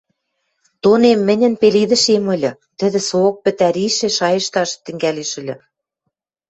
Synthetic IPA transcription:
t̪onemːɘ̆nʲɘ̆npeliðɘ̆ʃemɤ̆lʲɤ̆ | t̪ɘ̆ðɘ̆sok̚pɘ̆t̪æɾiʃĕʃɑjə̆ʃt̪ɑʃt̪ɘ̆ŋɡæleʃɘ̆lʲɘ̆

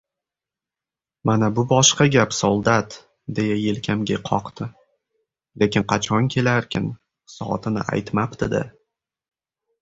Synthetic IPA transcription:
manabʊbɒʃqɑɡʲapsolˠd̪at̪ | d̪e̞jaje̞lkʲʰamɡʲaqʰɒqt̪ʰɪ | le̞kʲɪnqʰɑt͡ʃʰɒŋkʲʰe̞laɾkʲʰɪn | sɒ̰ɒ̰t̪ʰɪnɪ̰ʔa̰jt̪mapt̪ʰɪd̪ɪ̰

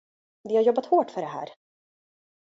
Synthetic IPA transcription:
d̪ɛhaɾjɔbːat̪hoːʈfœɖɛɦæ̰ːɾ

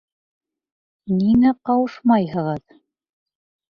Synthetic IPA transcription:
ninæqɑwɤʃmɑjɦɤ̆ʁɤð

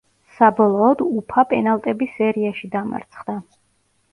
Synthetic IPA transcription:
sabɔlˠɔːd̪upʰapʼɛnalˠt̪ʼɛbisɛɾiaʃid̪ama̰ɾt̪sʰχd̪a

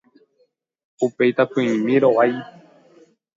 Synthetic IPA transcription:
upe̞jt̪apɨ̃ĩmĩɾoʔaj

